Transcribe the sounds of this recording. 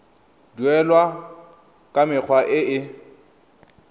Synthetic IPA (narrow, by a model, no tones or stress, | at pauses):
duɛlwa | kʼamɪk͡xʰwaʔɪʔɪ